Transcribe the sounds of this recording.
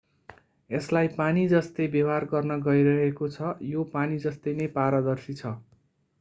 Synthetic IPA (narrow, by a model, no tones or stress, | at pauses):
eslajpanid͡zʌst̪ʌjbʌwarɡʌrnʌɡʌiɾʌɦekot͡sʰʌjopanid͡zʌst̪ejnʌjpaɾʌd̪ʌrsit͡sʰʌ